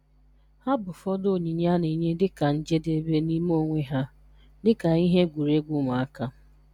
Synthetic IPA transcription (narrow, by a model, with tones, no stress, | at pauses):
ha˦bʊ˨fɔ˦do˦˨ɲi˨ɲ˦a˦ni˨ɲe˦dɪ˦ka˨n̩˦d͡ʒe˦de˨˦be˦ni˦m˦o˦˨ŋʷe˦ɦa˦ | dɪ˦ka˨i˦ɦe˦ɡʷu˨ɾe˦ɡʷu˦ma˨a˦ka˦